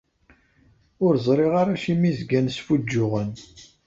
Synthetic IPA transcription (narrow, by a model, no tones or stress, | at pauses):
ʊɾzˤɾˤiʁaɾaʃimizɡænsfud͡ʒːʊʁən